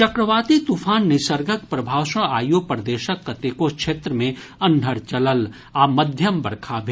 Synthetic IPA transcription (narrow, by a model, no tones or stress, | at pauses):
t͡ʃɐkɾəʋaːt̪it̪upʰaːnːɪsəɾɡʱəkpɾɐbʱaːʋʃə̃aːjopəɾd̪eːʃəkːɐt̪ekokʃʰeːt̪ɾəmẽ | ɐnd̪ʱəɾt͡ʃɐləl | aməd̪ʱjəmbɐɽkʰabʱe